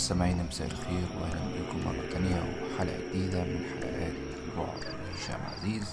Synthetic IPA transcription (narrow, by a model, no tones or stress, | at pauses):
samʕiːnamasaːʔɪlxeːɾwʔahlanlakʊmːɑ̰rˤːɑ̰t̪ʰanɪjawɪ̰maħala̰ʔad̪iːd̪amɪnħala̰ʔaːt̪ | lbʊ̰ʕd̪ˤ | ʃa̰ːʔma̰ʕziːz